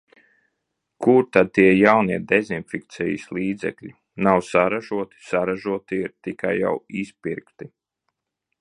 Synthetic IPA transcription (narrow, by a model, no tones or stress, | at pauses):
kʰuɾt̪ad̪̚t̪iɛjawniɛd̪ezinfʲikt̪sɛjḭsliːd̪zɛ̰klʲi | nawsaɾaʒuɔt̪i̥saɾaʒuɔt̪iiɾt̪ikajːa̰wispiɾkt̪i